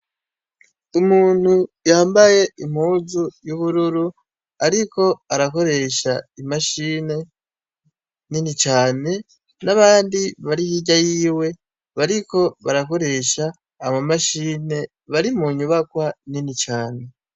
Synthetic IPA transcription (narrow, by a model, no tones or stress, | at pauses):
umuːn̥hujaːmbaje̞im̥huːzujuβuɾuɾu | aɾiko̞aɾako̞ɾe̞ʃaimaʃiːne̞ | ninit͡ʃaːne̞ | naβaːndiβaɾihiɟajiːwe̞ | βaɾiko̞βaɾako̞ɾe̞ʃaː | mamaʃiːne̞ | βaɾimuɲuβakwaninit͡ʃaːne̞